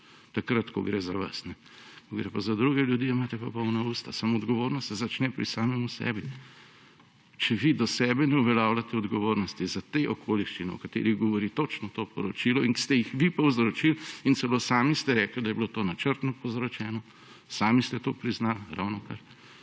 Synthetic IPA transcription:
t̪akɾat̪kɔɡɾezaʋa̰snɛ | koɡɾḛpazad̪ɾuɡɛljud̪iimaːt̪ɛpɔpɔwnauːst̪asamoɔd̪ɡɔʋoːɾnɔst̪sɛzat͡ʃnɛpɾḭsaːmɛmusɛ̰bi | t͡ʃɛʋid̪ɔsɛːbɛnɛuʋɛljaːwlat̪ɛɔd̪ɡɔʋoːɾnɔst̪izat̪eʔɔkʰoːliʃt͡ʃinɛɔkat̪ḛːɾiɣɡɔʋɔɾit̪ot͡ʃnɔt̪oːpɔɾɔt͡ʃilɔinst̪ɛjixʋipawzɾot͡ʃilint̪sɛloːsaːmist̪ɛɾɛːkld̪ajɛblot̪oːnat͡ʃəɾt̪nɔpozɾɔt͡ʃɛːnɔ | saːmist̪ɛt̪oːpɾiznalɾa̰wnɔkaɾ

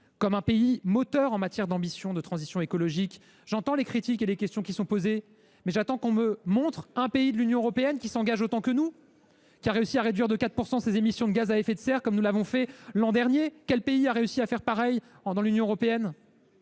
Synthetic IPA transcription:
kɔmɛ̃peimɔt̪œʁɑ̃mat̪jɛʁd̪ɑ̃bisjɔ̃d̪ət̪χɑ̃zisjɔ̃ekɔlɔʒik | ʒ̥ɑ̃t̪ɑ̃lekχit̪ikelekʲɛst̪jɔ̃kʲisɔ̃poze | mɛʒat̪ɑ̃kɔ̃məmɔ̃t̪χɛ̃peid̪əlynjɔ̃øʁɔpeɛnkʲisɑ̃ɡaʒot̪ɑ̃kənu | kʲiaʁeysiaʁed̪ɥiʁd̪əkat̪χ̚puʁsɑ̃sezemisjɔ̃d̪əɡazaɛfɛt̪sɛʁkɔmnulavɔ̃fɛlɑ̃d̪ɛʁnjekʲɛlpeiaʁeysiafɛʁpaʁɛj | d̪ɑ̃lynjɔ̃øʁɔpeɛn

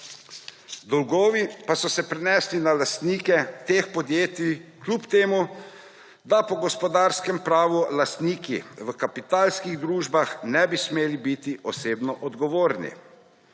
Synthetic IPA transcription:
d̪ɔlɡɔːʋipasɔsɛpɾɛnɛːslinalast̪niːkɛt̪eːxpɔd̪jeːt̪iklʲupt̪eːmu | d̪apɔɡɔspɔd̪aːɾskɛmpɾaːʋulast̪niːkḭʋəkapit̪aːlskiɣd̪ɾuːʒbaxnɛbismeːlibit̪iʔɔseːbnɔʔɔd̪ɡɔʋoːɾnḭ

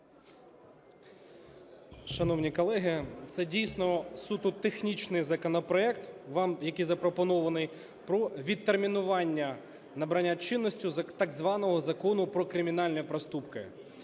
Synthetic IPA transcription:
ʃɐnɔwnʲikɔlˠɛɦɪt̪sɛdʲijsʲnɔsut̪ʊt̪exnʲit͡ʃnɪjzɐkɔnɔpɾɔɛkt̪ʋɑmjɐkijzɐpɾɔpɔnɔʋɐnɪj | pɾɔʋʲid̪̚t̪ːermʲinʊʋɑnʲːɐ | nɐbɾɐnʲːat͡ʃɪnːɔsʲtʲʊt̪ɑɡzʋɑnɔɦɔzɐkɔnʊpɾɔkɾɪmʲin̪ɑlʲnʲipɾɐst̪upkɪ̰

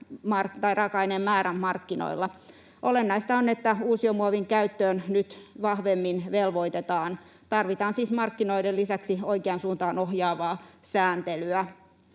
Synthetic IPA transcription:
mɑrt̪ɑirɑkɑinemmæːɾæmmɑrkːino̰ilːɑ | ʔolenːɑist̪ɑonːet̪ːæuːsiomuɑʋiŋkæyt̪ːøːnnyt̪ʋɑhʋemːinʋelʋoit̪et̪ɑːn | t̪ɑrʋit̪ɑːnsiːsmɑrkːinoidelisæksioikeɑnsuːnt̪ɑːnohjɑːʋɑːsæːnt̪elyæ

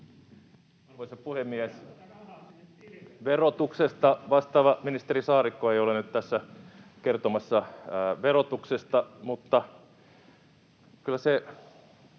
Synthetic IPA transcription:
ʋoisepuhemːiæs | ʋerot̪uksest̪ɑʋɑst̪ɑːʋɑminist̪erisɑːɾikːoeiolenyt̪t̪æsːækert̪omɑsːɑʋerot̪uksest̪ɑmut̪ːɑ | kylːˑæse

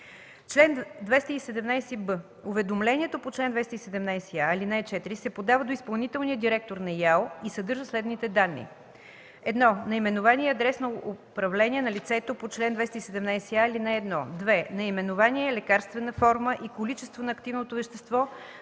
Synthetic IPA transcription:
t͡ʃlɛnd̪vɛst̪əisɛd̪ɛmnajsɛbɤ | ovɛd̪omlɛnʲiɛt̪opot͡ʃlɛnd̪vɛst̪əisɛd̪ɛmnajsiaɛlinaɛt͡ʃɛt̪iɾisɛpod̪avəd̪oispɐlˠnit̪ɛlniəd̪iɾɛk̚t̪oɾnɐjalˠisɐd̪ɤɾʒəslɛd̪nit̪ɛd̪anːḭ | ɛd̪nɔnɐimɛnovaniɛɐd̪ɾɛsnoopɾɐvlɛniɛnɐlit̪sɛt̪opot͡ʃlɛnd̪vɛst̪əisɛd̪ɛmnajsɛaɛlinaɛd̪nɔd̪vɛnɐimɛnovaniɛɛlɛkaɾst̪vɛnəfɔɾməʔikolit͡ʃɛst̪vonɐːkt̪ivnot̪ovɛʃt̪ɛst̪vɔ

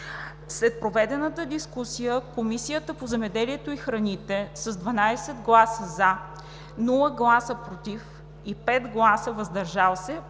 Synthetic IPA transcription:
slɛt̪̚pɾovɛd̪ɛnət̪əd̪iskusijəkomisijət̪əpozɛmɛd̪ɛliɛt̪oixɾɐnit̪ɛsəzd̪vɐnajsɛd̪ɡlˠasəza | nulˠəɡlˠasəpɾot̪if | ipɛt̪ɡlˠasəvɐzd̪ɐɾʒalˠsɛ

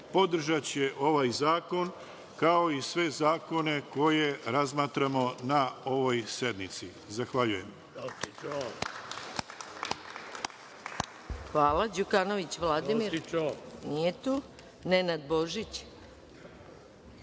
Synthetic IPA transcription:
po̞d̪r̩ʒat͡ɕeʔo̞ʋajzaːko̞n | kao̞isʋe̞zaːko̞ne̞ko̞je̞ɾazmaːt̪ɾamo̞nao̞ʋo̞jse̞d̪mit̪si | zaxʋaʎujem | xʋaːlad͡ʑukano̞ʋit͡ɕʋlˠad̪imiɾ | nijet̪uː | nenad̪bo̞ʒit͡ɕ

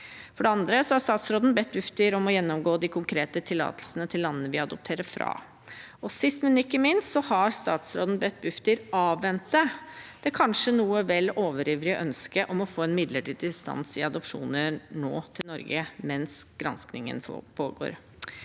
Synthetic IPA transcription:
fɔɖɛɑnd̪ɾəsɔhɑɾst̪ɑːt̪sɾoːd̪n̩bɛt̪̚bʉft̪əɾɔmɔjɛnːɔmɡoːd̪ɪkʰʊŋkʰɾeːt̪ət̪ʰɪlːɑ̰ːt̪əlsənət̪ʰɪlːɑnːənəʋɪɑd̪ɔp̚t̪ʰeːɾəɾfɾɑ̰ː | ɔsɪst̪mɛnɪkːəmɪnst̪sɔhɑɾst̪ɑːt̪sɾoːd̪nbɛt̪̚ːbʉft̪əɾɑːʋːɛnt̪̚d̪əd̪̥ɛkʰɑnʂənuːəʋɛlːoːʋəɾyːʋɾɪʔœnskəʔɔmɔfoːɛnmɪd̪ləʈid̪ɪst̪ɑ̰nsɪɑd̪ɔpʂṵːnəɾno̰ːt̪ʰɪlnɔɾɡəmɛnsɡ̥ɾɑnsknɪŋə̰npʰoːɡo̰ːɾ

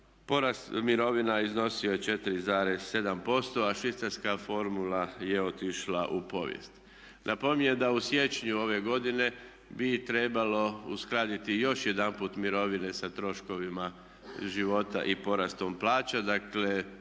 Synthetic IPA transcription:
poɾast̪miɾo̞ʋinaizno̞siojet͡ʃe̞t̪iɾizaːɾesːe̞d̪ampo̞st̪o̞aʃʋit̪saɾskafo̞ɾmulaje̞o̞t̪iʃlaʔupo̞̰ʋjḛst̪ | nʔapo̞mʲiɲed̪ausje̞t͡ʃɲuo̞ʋe̞ɡo̞d̪ine̞ | bit̪ɾe̞balo̞uskɾaːd̪it̪ijo̞ʃje̞d̪anpuːt̪miɾo̞ʋine̞sat̪ɾo̞ʃko̞ʋima | ʒiʋo̞t̪a̰ʔipo̞ɾast̪o̞mplaːt͡ʃad̪akle̞

